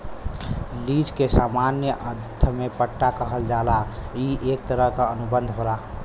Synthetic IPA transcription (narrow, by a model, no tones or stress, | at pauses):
lid͡ʒkesamanjəʔəd̪ʱəmepəʈːakəɦəld͡ʒalaiʔekt̪əɾəɦkaənubənd̪ʱɦoɾa